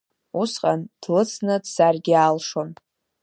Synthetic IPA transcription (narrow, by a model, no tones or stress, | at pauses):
usqʼand̥lɨt͡sʰnɨdsarɡʲɪaːlʂon